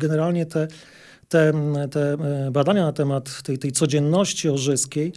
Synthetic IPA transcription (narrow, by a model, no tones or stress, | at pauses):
ɡɛnɛɾalɲɛt̪ɛ | t̪ɛt̪ɛbad̪aɲanat̪ɛmat̪ːɛjt̪ɛjtsɔd͡ʑɛnːɔɕt͡ɕiɔʐɘskʲej